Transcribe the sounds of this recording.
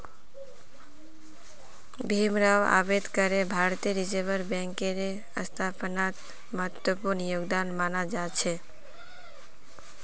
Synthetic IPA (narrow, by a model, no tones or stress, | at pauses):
bʱimɾawa̰bed̪kəɾebʱaɾt̪eɾid͡ʑebəɾbɛŋkeɾe | ə̰st̪ʰapənat̪ | mat̪ːəpuɾnjoɡd̪anmanad͡ʑat͡ɕʰe